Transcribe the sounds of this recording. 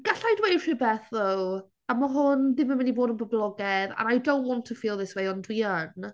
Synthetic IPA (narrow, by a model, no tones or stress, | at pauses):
ɡ̥aɬajdwejr̥ibɛθðow | amaɦʊnðɪməmɪniboːdənbəblˠɔɡɛða̰najdownʔwɔ̃ntʰəfiːlˠðɪswejɔndwiən